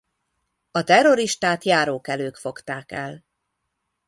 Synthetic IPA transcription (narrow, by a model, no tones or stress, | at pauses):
ɒt̪ɛro̞ɾiʃt̪aːt̪jaːɾoːkɛløːkfo̞kt̪aːkɛl